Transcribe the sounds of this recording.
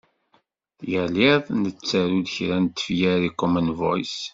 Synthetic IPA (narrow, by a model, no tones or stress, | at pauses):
jəlɪðˤnət͡sːæɾuðçɾænt̪ːə̥fjæɾikɔmənvɔ̰js